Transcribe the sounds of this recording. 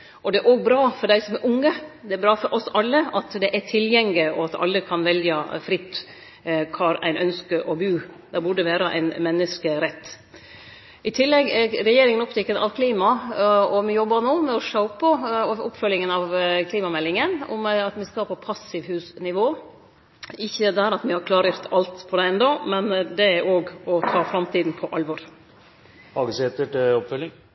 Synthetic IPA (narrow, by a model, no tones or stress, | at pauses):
ʔɔd̪ɛæɾʔoːɡbɾɑːfɔɖæɪsɔmɛɾʔʊŋːəd̪ɛæɾbɾɑːfɔɾʔɔsɑlːəɑt̪d̪ɛʔæʈʰɪljɛŋlɪɔɑt̪ɑ̰lːəkʰɑnʋɛljɑfɾɪt̪ː | kʰɑɾæ̰ɪnʔœnskəɾʔɔbʉːd̪æbʊɖəʋæːɾəʔæ̰ɪnmɛnːəskəɾɛt̪ː | ʔɪt̪ʰɪlːɛɡɾɛjeːɾɪŋənɔpt̪ɪkːənʔɑ̰ʋkʰliːmɑɔmɪjɔbːɑɾnoːmɛɔʂɑʊpəʊpːfœlːɪŋənɑʋkʰliːmɑmɛlːɪŋənɔ̰mɛɑt̪mɪskɑpʰɔpʰɑsɪʋhʉːsnɪʋoː | ɪçːəd̪æɾɑt̪mɪhɑɾkʰlɑːɾəʊɾt̪ʰɑlt̪pʰɔd̪ɛɛnd̪ɔmɛnd̪ɛæɾʔoːɡɔt̪ʰɑːfɾɑmt̪ʰiːd̪n̩pʰɔʔɑlʋɔɾ | hɑːɡəseːt̪əʈɔpfœlɪŋ